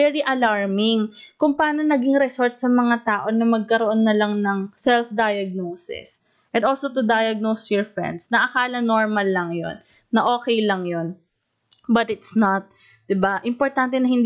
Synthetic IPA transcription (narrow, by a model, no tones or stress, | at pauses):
ɛɹiʔɐlaɹmɪŋ | kʊŋpɐaːnonɐɡiŋɾɛsoɹt̪̚sɐmɐŋat̪aːʔo̞nɐmɐɡ̚kɐɾoʔo̞nːɐlɐŋnɐŋsɛlfd̪ajɐɡ̚noːsɪ̰s | ʔɛ̃nd̪olsot̪ʊd̪ajɐɡ̚nowsjɔɹfɹɛ̰nd̪snɐʔɐkaːlɐnoɹmɐlːɐŋjo̰nː | ɐʔo̞ːkɛjlɐŋjon | bɐt̪ɪt̪snat̪̚ | d̪̥ɪbaʔɪmpoɹt̪ant̪ɛnɐhɪnd̪